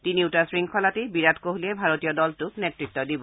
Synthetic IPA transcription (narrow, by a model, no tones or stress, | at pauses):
tiniutasɹiŋkʰɔlatibiɹatkoɦliɛbʱaɹotijɔdɔltʊknetɹitːɔdibɔ